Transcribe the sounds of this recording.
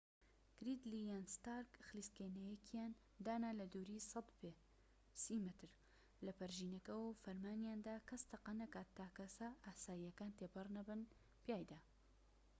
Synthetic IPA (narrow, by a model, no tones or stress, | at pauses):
ɡ̥ɾid̪lijanst̪aːɾkxliːskenɐjɛkʰjaːn | d̪aːnalɐd̪uːɾiːsɐd̪pe | siːmɨt̪ɨɾ | lɐpɐɾʒiːnɐkɐwwfɐɾmaːnjaːnd̪aːkʰɐst̪ʰɐqɑnɐkaːtt̪ːaːkɐsɐʔaːsaːijɐkaːnt̪eːpɨrnɐbɨn | pijaːjd̪aː